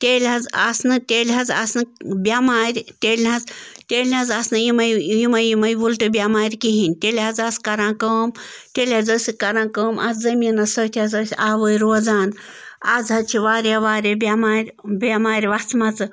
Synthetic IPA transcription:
t̪ʲeːlʲɦɐza̰snɨt̪ʲelʲɦɐza̰snɨbʲamaːɾʲt̪ʲeːlʲɦɐ̃zt̪ʲeːlʲɦãzasnɨjimɐjjimɐjimɐjʋulʈɨbʲamaːɾʲkiɦinʲt̪elʲɦɐd͡zaskɐɾãːkəːmt̪ʲelʲad͡zəsʲikɐɾãːkəːmʔazzɐmiːnasət̪ʰʲazəːsʲaːʋəːjiɾoːd͡zaːn | ad͡zɦɐt͡ʃʰiʋaːɾʲaʋaːɾʲebʲamaːɾʲbʲamaːɾʲʋat͡sʰmat͡sɨ

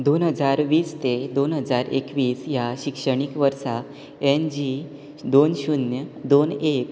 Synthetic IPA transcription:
d̪onɦəd͡zaɾʋiːst̪ed̪onɦəd͡zaɾḛkʋiːsjaɕikʂəɽ̃ikʋəɾsa | end͡ʑi | d̪onɕunjəd̪onek

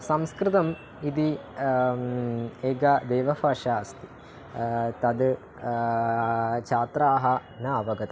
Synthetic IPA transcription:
sɐmskɾɨt̪ɐm | id̪i | eːɡɐd̪eːʋɐfɐːʃaːst̪i̥ | t̪ɐd̪ | t͡ʃʰaːt̪ɾaːɦɐ | nɐɐbɐɡɐt̪ɐ

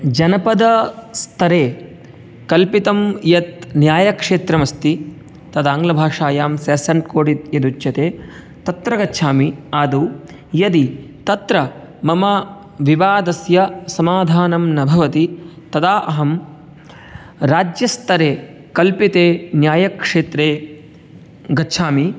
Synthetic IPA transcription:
d͡ʒɐnɐpɐd̪ɐst̪ʰɐɾeː | kɐlpit̪ɐmjɐt̪̚njaːjɐkʂeːt̪ɾɐmɐst̪i | t̪ɐd̪aːŋɡlɐbʱaːʂaːjaːmsɐːsɐɳʈkoːɽit̪̚jɐd̪ut͡ʃjɐt̪eː | t̪ɐt̪ɾɐɡɐtːʃʰaːmiaːd̪u | jɐd̪i | t̪ɐt̪ɾɐ | mɐmɐ | ʋiʋaːd̪ɐsjɐsɐmaːd̪ʱaːnɐmnɐbʱɐʋɐt̪i | t̪ɐd̪aːʔɐɦɐm | ɾaːd͡ʒjɐst̪ɐɾeː | kɐlpit̪eːnjaːjɐkʂeːt̪ɾeː | ɡɐtːʃʰaːmi

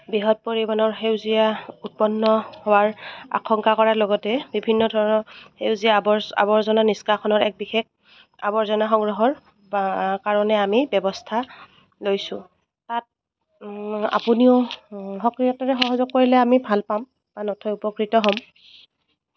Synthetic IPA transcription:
biɦɔt̚poɹibanɔɹxewzijaut̚pɔnːɔhowaɹa̰xʰɔŋkakɔɹaɹloɡɔtɛbibʱinːɔdʱɔɹɔnɔhewzijabɔa̰bɔɹzɔnaniskaxʰɔnɔɹɛk̚bixɛk̚ | abɔɹzɔnaxɔŋɡɹɔɦɔɹ | bakaɹɔnɛamibɛbɔstʰa | lojsʊ̃ | tat̚ | a̰puniʊxɔkɹijɔtaɹɛxɔɦɔzɔkːoɹilɛamibʱalpam | b̥anɔtʰɔjupɔkɹitɔɦɔm

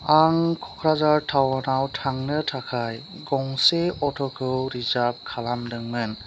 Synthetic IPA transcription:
aŋkʰɔkʰɾazaɹtʰawanawtʰaŋnɯtʰakʰaj | ɡɔŋseɔtʰɔkʰɯwɾizab̚kʰalamdɯŋmɯn

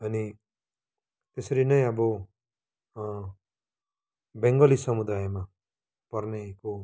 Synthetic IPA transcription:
ʌni | t̪esʌɾinʌj̃ʌbʌ | bẽŋɡʌlisʌmud̪ajma | pʌrneko

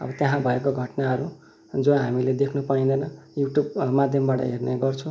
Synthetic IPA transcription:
ʌ̰bʌt̪jaɦãbʱʌekoɡʱʌʈnaɦʌɾu | d͡zoɦamiled̪ekʰnupaĩnd̪ʌjnʌjuʈjubmad̪ʱjʌmbaʈʌ̰ɦerneɡʌrt͡sʰũ

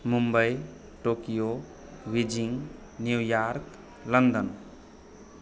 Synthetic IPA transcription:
mumbəj | ʈokijo | wid͡ʒiŋ | njujaɾk | lənd̪ən

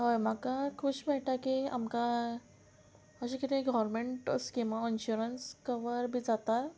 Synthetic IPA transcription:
ɦajm̤akakʰuːɕbɛʈakia̰mka | əɕ̬ikit̪iekɡɔʋɾmeɳʈskĩʋainɕuɾənskəʋəɾbʱid͡zat̪a

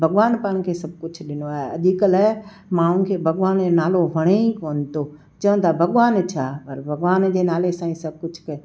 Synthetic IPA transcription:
bʱɐɡʋaːnpãːñkʰeːsɐb̚ʱkʊd͡ʑʱɗɪnoaːɦeɐd̪ikələɦe | mãːɽ̃ʊn̆kʰeːbʱɐɡʋaːnd͡ʑonaːloʋʱɐɽ̃eikoːnɪt̪ʰoː | t͡ɕɐʋə̃t̪ʰabʱɐɡʋaːnt͡ɕʰaːpɐɾbʱɐɡʋaːnd͡ʑeːnaːlesãːĩsɐb̚kʊd͡ʑʱkɐo

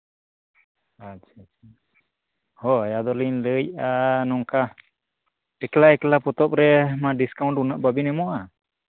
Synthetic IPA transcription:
at͡ʃʰt͡ʃa | hɔajad̪ɔlinləj̚anɔŋka | ɛklaɛklapɔt̪ɔp̚ɾɛmaɖiskawnʈunaʔbabinɛmɔʔa

